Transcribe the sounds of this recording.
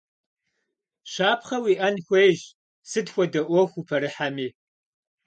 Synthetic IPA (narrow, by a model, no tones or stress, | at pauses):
ɕaːpχɐwiːʔɐnxʷeːjʒ | sɨdxʷɔdɐʔʷɔxʷupʰɐɾɨħamiː